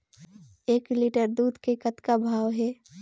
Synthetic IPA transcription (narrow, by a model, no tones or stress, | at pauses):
eːkliʈəɾd̪uːd̪ʱkekət̪kabʱaːʋɦɛː